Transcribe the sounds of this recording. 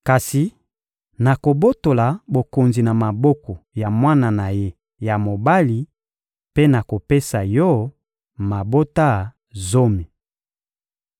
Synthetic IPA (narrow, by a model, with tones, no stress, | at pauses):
ka˨si˨ | na˨ko˨bo˦to˨la˨bo˨ko˨nzi˨na˨ma˨bɔ˦kɔ˨ja˨mwa˦na˨na˨je˦ | ja˨mo˨ba˦li˨ | pe˦na˨ko˨pe˦sa˨jɔ˦ | ma˨bo˦ta˦ | zo˦mi˨